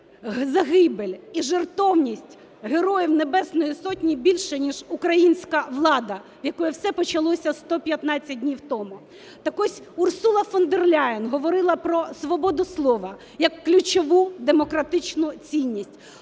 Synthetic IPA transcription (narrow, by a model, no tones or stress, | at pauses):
zɐɦɪbelʲiʒert̪ɔwnʲisʲtʲ | ɦeɾɔjiwnebɛsnɔjisɔtʲnʲibʲilʲʃɛnʲiʒʊkɾɐjinʲsʲkɐʋlˠɑd̪ɐʋjɐkɔjɛwsɛpɔt͡ʃɐlˠɔsʲɐst̪ɔpʲjɐt̪nɑt͡sʲːɐt̚ʲdʲnʲiwt̪ɔmʊ | t̪ɐkɔsʲʊrsulˠɐfɔnd̪erlʲajɪnɦɔʋɔɾɪlˠɐpɾɔsʋɔbɔd̪ʊslˠɔʋɐ | jɐkːlʲʊt͡ʃɔʋud̪emɔkɾɐt̪ɪt͡ʃnʊt͡sʲinʲːisʲtʲ